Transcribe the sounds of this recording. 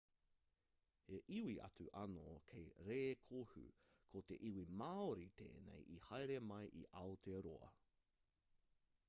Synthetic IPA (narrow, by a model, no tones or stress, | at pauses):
heʔiwiʔɐ̰t͡suʔɐnokʰejɾeːkʰohʉ̰ | kʰot̪eʔiwimaːoɾit̪ʰḛːnḛjʔihɐjɾemɐjʔḭʔɐotʰeɾoɐ̰